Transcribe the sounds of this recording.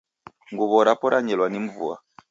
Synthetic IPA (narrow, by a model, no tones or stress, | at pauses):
ŋɡuβɔɾapɔɾʔaɲɛlwanim̩vṵa̰